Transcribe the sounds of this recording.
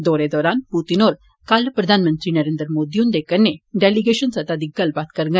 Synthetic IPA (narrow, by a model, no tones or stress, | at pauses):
d̪oɾed̪ɔːɾanput̪inɔːɾ | kalpɾəd̪ʱanmənt̪ɾiːnəɾeːnd̪ɾəmod̪ijũnd̪ekəɾnːeɖeliɡeʃənsət̪ad̪iɡːəlbat̪kəɾŋɡə